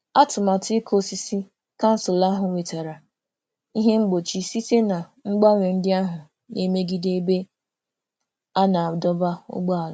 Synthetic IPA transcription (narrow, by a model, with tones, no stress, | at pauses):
a˦tʊ˨ma˨tɪ˦kʰo˦si˦si˦ | ka˦n̩˦sʊ˨la˦ɦʊ˨we˨ta˨ɾa˨ | i˦ɦe˦ŋ͡m̩˦ɡ͡bo˨t͡ʃi˨si˦te˦na˨ | ŋ͡m̩˦ɡ͡ba˦ŋʷe˨n̩˦dɪ˦a˦ɦʊ˨ | ne˦me˦ɡi˦de˦be˦ | a˦na˨dɔ˦ba˦ʊ̰˦ɡ͡ba˦a˨l